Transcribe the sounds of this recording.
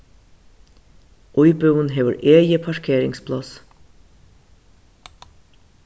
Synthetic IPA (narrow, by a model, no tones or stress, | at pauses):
ʔɔʏbœʉənɦeːʋə̰ɹeːjəpʰɑʃkʰeːɾɪŋspʰlɑs